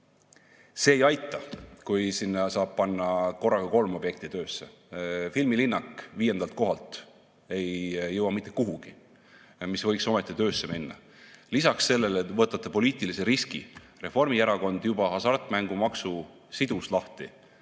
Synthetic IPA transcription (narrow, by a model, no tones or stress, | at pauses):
se̞ːjɑjt̪ːˑɑkujsinːɑsɑːb̥̚pɑnːɑko̞rːɑɡ̥ɑko̞lmo̞b̥je̞k̚t̪it̪øːsːe̞ | filmilinːɑkːˑviːje̞nd̪ɑlt̪̚ko̞ɦɑlt̪ | e̞jːɤwɑmit̪ːˑe̞kːuɦuɡ̥i | misvɤjkso̞met̪ːˑit̪øːsːe̞minːɑ̰ | lisɑksːe̞lːe̞let̪ːˑvɤːt̪ːˑɑt̪ːˑepo̞liːt̪ˑiliseɾiskḭ | re̞fo̞rmiæɾɑko̞nd̪̥jubɑɑsɑrt̪ˑmæŋɡ̥umɑksu | sid̪̥uslɑht̪i